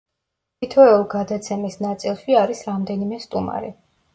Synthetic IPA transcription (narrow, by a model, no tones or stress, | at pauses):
t̪ʰit̪ʰɔɛulˠɡad̪at̪sʰɛmisnat̪sʼilˠʃiaɾisɾamd̪ɛnimɛst̪ʼuma̰ɾḭ